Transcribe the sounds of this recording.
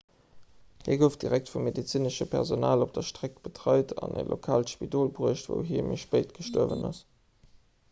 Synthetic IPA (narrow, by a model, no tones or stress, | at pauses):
hiːɐɡəʊf̚d̥iʁæk̚tfumːedit͡siːnəʃəpʰɛ̰ʁzonaːlop̚d̥ɐʃtʁ̥ek̚b̥ətʁɑɪtʰɑnḛlʔokʰaːltʃpidoːlbʁuəʃtvo̰ʊɦiːɐmeʃpəɪtɡ̥əʃtoɐvə̰nɑs